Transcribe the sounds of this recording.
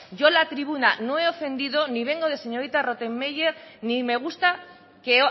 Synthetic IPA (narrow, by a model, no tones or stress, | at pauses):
ʝo̞lat̪ɾiβunano̞e̞o̞fe̞nd̪iðo̞niβ̞e̞ŋɡo̞ð̞e̞se̞ɲo̞ɾit̪aro̞t̪e̞mːejeɾnime̞ɣ̞ust̪a | ke̞